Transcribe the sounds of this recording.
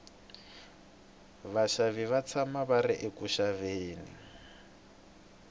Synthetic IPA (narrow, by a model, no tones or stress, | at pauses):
βaʃaviβat͡sʰamaβaɾiʔekuʃaveːnḭ